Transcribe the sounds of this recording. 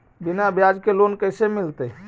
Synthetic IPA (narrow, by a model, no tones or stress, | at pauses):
binabjad͡ʒkelonkəɪsemɪlt̪e